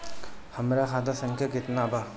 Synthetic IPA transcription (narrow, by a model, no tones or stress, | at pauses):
hɐmɾakʰad̪asɐŋkʰjakɪt̪naba